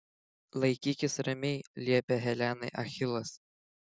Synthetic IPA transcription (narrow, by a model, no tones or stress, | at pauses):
lˠɐɪkʲiːkʲɪsɾɐmʲɛɪlʲiɛpʲɛɦɛlʲæːnɐɪʔɐxʲɪlˠɐs